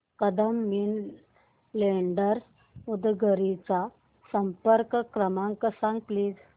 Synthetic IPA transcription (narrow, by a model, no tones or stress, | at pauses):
kəd̪əmːin | leɳɖəɾs | ud̪ɡʱəɾit͡sa | səmpəɾkkɾəmãŋkəsãŋɡ̚pliːd͡z